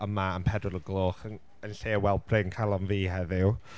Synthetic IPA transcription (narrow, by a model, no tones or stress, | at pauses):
əmaəmpʰɛdʊɾəɡlˠoːχən | ənɬeːwɛlˠbʰrɪŋkʰalˠɔnviːhɛðɪw